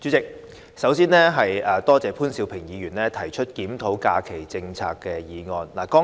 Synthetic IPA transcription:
t͡ʃy˨˥t͡sɪ˨k̚ | sɐ˨˥wsiː˥nɛː˥ɦɐ˨jɐː˨˧t̪ɔː˥t͡sɛː˨˧pʰuː˥nsi˨˧wpʰɪ˨˩ŋjiː˨˧jyː˨˩nlɛː˥t̪ʰɐ˨˩jt͡ʃʰɵ˥t̚kiː˨˥mt̪ʰo˨˥wka̰ː˧kʰe˨˩jt͡sɪ˧ŋt͡sʰa̰ː˧kːɛ˧jiː˨˧ŋɔː˧nlaː˨˩kɔː˥

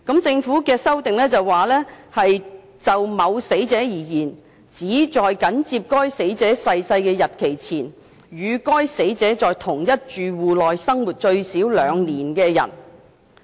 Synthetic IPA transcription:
kɐ˨˥mt͡sɪ˧ŋfuː˨˥kɛː˧sɐ˥wt̪ɪ˨ŋlɛː˥t͡sɐ˨˩wwaː˨˩lɛː˥hɐ˨j | t͡sɐ˨wmɐ˨˧wse˨˥jt͡sɛː˨˥jiː˨˩jiː˨˩n | t͡siː˨˥t͡sɔː˨jkɐ˨˥nt͡siː˧p̚kɔː˥jse˨˥jt͡sɛː˨˥sɐ˧jsɐ˧jkɛː˧jɐ˨t̚kʰe˨˩jt͡sʰiː˨˩n | jyː˨˧kɔː˥jse˨˥jt͡sɛː˨˥t͡sɔː˨jt̪ʰʊ˨˩ŋjɐ˥t̚t͡ʃyː˨wuː˨lɔː˨jsɐ˥ŋwuː˨˩t̚t͡ʃɵ˧ɥsiː˨˥wlœː˨˧ŋniː˨˩nkɛː˧jɐ̰˨˩n

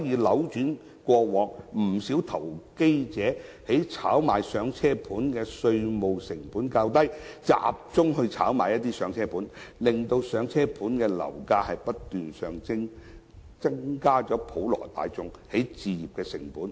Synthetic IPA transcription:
jiː˨˧lɐ˨˥wt͡ʃyː˨˥n | kʷɔː˧wɔː˨˥ŋm̩˨˩si˨˥wt̪ʰɐ˨˩wke˥jt͡sɛː˨˥he˨˥jt͡sʰa̰ː˨˥wmaː˨˩jsœː˨˧ŋt͡sʰɛː˥pʰuː˨˥nkɛː˧sɵ˧ɥmo˨wsɪ˨˩ŋpuː˨˥nkaː˧wt̪ɐ˥jt͡sa̰ː˨p̚t͡sʊ˥ŋhɵ˧ɥt͡sʰaː˨˥wma̰ː˨˩jɐ˥t̚t̪iː˥sœː˨˥ŋt͡sʰɛː˥pʰuː˨˥nlɪ˨ŋt̪o˧wsœː˨˧ŋt͡sʰɛː˥pʰuː˨˥nkɛː˧lɐ̰˨˩wkaː˧hɐ˨jpɐ˥tt̪yː˨nsœː˨ŋt͡sɪ˥ŋ | t͡sɐ˥ŋkaː˥t͡ʃɔː˨˥pʰo˨˥wlɔ̰ː˨˩t̪a̰ː˨jt͡sʊ˨˧ŋhe˨˥jt͡siː˨˧jiː˨p̚kɛː˧sɪ̰˨˩ŋpuː˨˥n

